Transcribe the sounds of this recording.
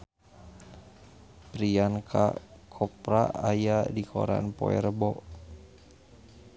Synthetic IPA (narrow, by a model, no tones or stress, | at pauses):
pɾiankʰa̰kʰɔpɾaːjadikʰo̰ɾa̰npɔɛ̰ɾəbɔʔ